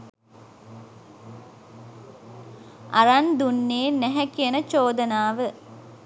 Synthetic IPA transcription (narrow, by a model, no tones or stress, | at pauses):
aɾand̪unːeːnːɛɦɛkijənət͡ʃoːd̪ənaːʋə